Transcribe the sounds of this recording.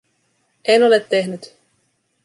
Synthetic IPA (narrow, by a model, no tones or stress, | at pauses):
eno̞le̞t̪ːe̞ɦnyt̪